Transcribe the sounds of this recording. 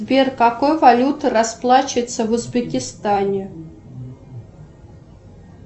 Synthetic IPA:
bʲerkakojvɐlʲut̪ɨɾɐsplˠat͡ɕɪɪt̪səvʊzbʲɪkʲɪst̪anʲɪ

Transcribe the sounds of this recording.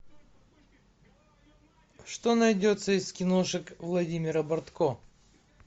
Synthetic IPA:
ʂt̪onɐjdʲo̞t̪səɪskʲɪnoʂɨkvlˠɐdʲimʲɪɾəbɐrt̪ko

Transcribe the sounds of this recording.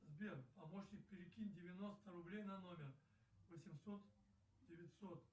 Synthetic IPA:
zbʲerpɐmoɕnʲɪk̚pʲɪɾʲɪkʲinʲdʲɪvʲɪno̞st̪əɾʊblʲejnɐnomʲɪr | vəsʲɪmsot̪ | dʲɪvʲɪtʲsot̪

